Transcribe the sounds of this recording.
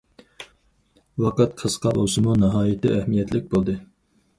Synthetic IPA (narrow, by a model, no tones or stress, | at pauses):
wɑqɑt̪̚qʰəzqʰɑlˠosɨmunɑɦɑːjit̪ɪ̰ʔæhmijɛt̪lɪk̚ʲbolˠd̪ɨ